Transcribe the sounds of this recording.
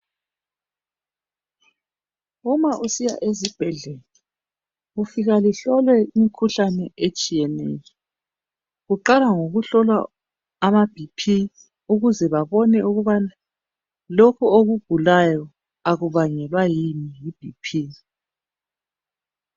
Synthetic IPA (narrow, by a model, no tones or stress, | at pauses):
umaʔusija̰ʔezib̥ʱɛɮɛlɛ | ufiɣaliɬɔlwɛimikʰuɬanɛʔet͡ʃʼijɛnɛ̰ːjɔ | ɣuǃalaŋoɣuɬɔlwaː | mab̥ʱipʰi | uɣuzɛβaβɔnɛuɣuβana | lokʰuoɣub̥ʱulajɔ | aɣuβaŋɛlwajimijib̥ʱipʰiː